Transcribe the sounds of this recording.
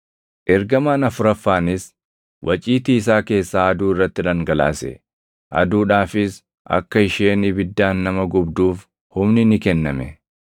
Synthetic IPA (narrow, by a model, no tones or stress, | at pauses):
ʔɛɾɡɐmaːnɐfʊɾɐfːaːnɪs | wʔɐt͡ʃʼiːt̪iːɪs̬aːke̞ːsːaːɐd̪uːɪrːɐt̪ːɪᶑɐŋɡɐla̰ːsɛ̰ | ʔɐ̰d̪uːᶑaːfɪs | ʔɐ̰kːɐɪʃeːnɪbɪd̪ːaːnːɐmɐɡʊbd̪uːf | hʊmnɪnɪkɛnːɐmɛ